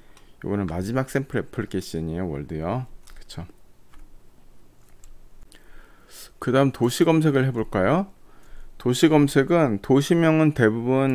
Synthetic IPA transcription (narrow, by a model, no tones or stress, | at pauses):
jo̰ɡʌnɯnmad͡ʑimak̚s͈empʰɯɾepʰɯɭk͈eɕ͈iɲijowʌ̰ɭdejokɯ̥t͡ɕʰo | kɯdaɯmtoɕʰiɡʌmsʰe̞ɡɯɭhe̞boɭk͈ajo | toɕʰiɡʌmsʰe̞ɡɯntoɕʰimjʌŋɯnte̞bubun